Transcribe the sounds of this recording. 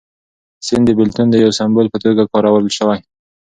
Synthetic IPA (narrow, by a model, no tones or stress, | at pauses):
sɪnd̪əbɪlt̪und̪əjawsambolpət̪oɡakɑɾawaɾəlʃəwaj